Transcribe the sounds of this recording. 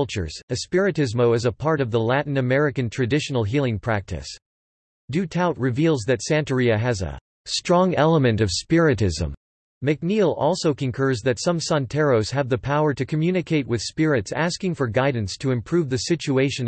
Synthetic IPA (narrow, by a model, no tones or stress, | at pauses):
lˠt͡ʃə̰˞z̥ɨspɪɹɨɾɪzmoʊɨzəpʰɑɹɾʌvðəlæʔn̩ɨmɛɹɨkɨ̃ntʰɹ̥ɨdɪʃn̩l̩ˠɦilˠɪ̃ŋpʰɹ̥æk̚tʰɨ̰s | d̥ʉtʰaʊt̚ɹɨvilˠzðɨtsæ̃ntə˞iɨɦæzə̰ | stɹ̥ɔ̃ŋɛlˠəmɨ̃ntʌv̥spɪɹɨɾɪzə̰̃m | mɨk̚nilˠɔ̰lˠsoʊkɨ̃nkʰɜ˞zðɨtsʌ̃msɑ̃ntʰɛɹoʊz̥ɨvðɨpʰaʊə˞ɾɨkʰɨmjʉnɨkʰeɪt̚wɨð̥spɪɹɨtsæskɪ̃ŋfə˞ɡaɪdⁿn̩stʰɨɨ̃mpʰɹ̥ʉvðɨsɪt͡ʃueɪʃɨ̃n